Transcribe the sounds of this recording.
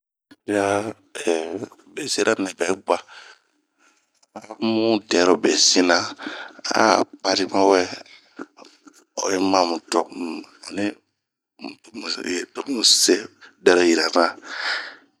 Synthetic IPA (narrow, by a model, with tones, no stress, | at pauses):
ɾi˦a˦ | ɛ˨be˨si˦ɾa˦nɛ̃˨bɛ˨˦ɡ͡ba˨ | a˦mũ˦dɛ˨˦ɾo˨be˨si˦nã˦a̰˦˨pa˨ɾi˦mã˦wɛ˦ | ɔ̰˨je˦mã˦˨mũ˨tɔ˨ɔ˨nĩ˦˨ | m˨jtɔ˨˦mũ˨se˦dɛ˦ɾo˨ji˨ɾa˨nã˦